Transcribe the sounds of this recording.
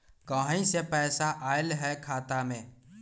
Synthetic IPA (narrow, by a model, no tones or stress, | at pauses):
kəɦĩsepɛːsaʔaːɪlɦɛkʰaːt̪amẽː